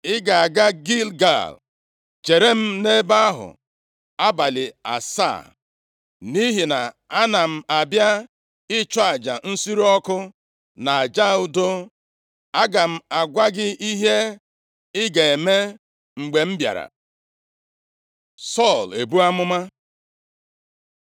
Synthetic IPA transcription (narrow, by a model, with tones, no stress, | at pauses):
ɪ˦ɡa˨a˨ɡa˦ɡi˦lɡa̰˦˨l | t͡ʃe˨ɾe˦m̩˦ne˦ba˦a˦ɦʊ̰˨ | a˦ba˨lɪ˨a̰˨sa̰˦˨ | ni˦ɦi˨na˨ | a˦na˨m̩˦a˨bja˦ | ɪ˦t͡ʃɔ˦a˨d͡ʒa˨n̩˦si˦ɾɔ˦kʊ˦ | na˨a˨d͡ʒa˦ʊ˦do˦ | a˦ɡa˨m̩˦˨a˨ɡʷa˦ɡɪ˦i˦ɦe˦ | ɪ˦ɡa˨e˨me˦ | ŋ͡m̩˨ɡ͡be˨m̩˦bja̰˨ɾa̰˨ | sɔ˦˨le˨bu˦a˦mʊ˦ma˦